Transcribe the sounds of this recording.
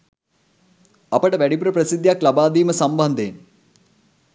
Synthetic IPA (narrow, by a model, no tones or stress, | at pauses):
ɐpəʈɐʋæɽipuɾɐpɾɐsid̪ʱːjaklɐbaːd̪iːmɐsɐmbɐnd̪ʱeːn